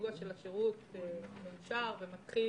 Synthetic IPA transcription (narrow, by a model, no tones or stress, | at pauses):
ɡuaʃelaʃeʁutmejuʃaʁvemat̪χi